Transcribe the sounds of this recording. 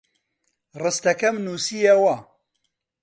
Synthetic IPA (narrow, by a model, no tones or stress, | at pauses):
rɨst̪ɐkɐmnuːsijɐwɐ